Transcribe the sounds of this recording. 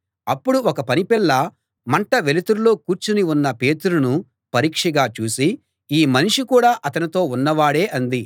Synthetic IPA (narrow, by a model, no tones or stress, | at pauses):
ɐpːuɽuɔkɐpɐnipiɭːɐ | mɐɳʈɐʋe̞lit̪uɾulo̞ːkuːɾt͡ʃuniunːɐpe̞ːt̪uɾunu | pɐɾiːkʂɐɡaːt͡ʃuːsi | iːmɐniʂikuːɽaːʔɐt̪ɐnit̪o̞ːunːɐʋaːɽe̞ːʔɐnd̪i